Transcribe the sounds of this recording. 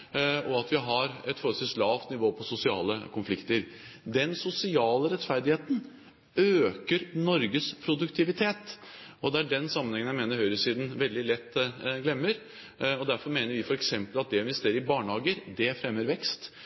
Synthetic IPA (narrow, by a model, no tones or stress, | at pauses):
ɔɑt̪ʋɪɦɑɾɛt̪fɔɾət̪ɪlslɑːft̪nɪʋoːpʰɔsʊsɪɑ̰ːlə̰kʰʊnflɪkt̪əɾd̪ɛnsʊsɪɑːləɾɛt̪fæɾd̪ɪheːt̪n | øːkəɾnɔɾɡəspʰɾʊd̪ʉkt̪ʰɪʋɪt̪ʰeːt̪ | ʔɔd̪ɛæɖɛnsɑmːənhɛŋənjæmeːnəɾhœʏɾəsiːd̪n̩ʋɛld̪ɪlɛt̪ːɡlɛmːəɾ | ɔd̪æɾfɔɾmeːnəɾʋɪfɔɾɛksɛmpəlɑt̪̚d̪ɛɪnʋɛst̪eːɾəɾɪbɑːɳhɑːɡəɾd̪ɛfɾɛmːəɾʋɛkst̪